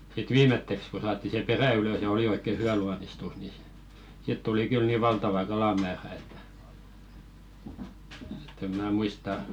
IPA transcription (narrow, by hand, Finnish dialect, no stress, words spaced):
sit ʋiːmetːeks ko sɑːtˑi se peræˑ yløs jɑ oli oikːe hyæ luɑnistus ni si sit tuli kyl ni ʋɑltɑʋɑ kɑlɑmæːræ etːæ̥ e̥tːem mæː muistɑ